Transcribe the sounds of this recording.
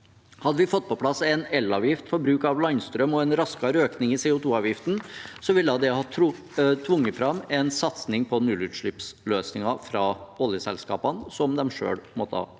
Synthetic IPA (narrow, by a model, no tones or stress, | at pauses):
hɑd̪ːəʋɪfɔt̪̚ːpʰɔpʰlɑsːɛnɛlːɑːʋjɪft̪fɔɾbɾʉːkɑʋlɑŋnst̪ɾœmɔɛnɾɑskɑɾøːknɪŋɪsɛʊt̪ʰuːɑːʋjɪft̪n̩sɔʋɪlːəɑd̪ɛhɑt̪ʰɾʊ | t̪ʰʋʊŋːət̪fɾɑmɛnsɑt̪snɪŋpʰɔnʉlʉt̪ʂɭɪpsløːsnɪŋɑfɾɑɔljəsɛ̰lskɑ̰ːpɑnsɔmd̪ɛmʂø̰ːɽmɔt̪ʰɑ̰ː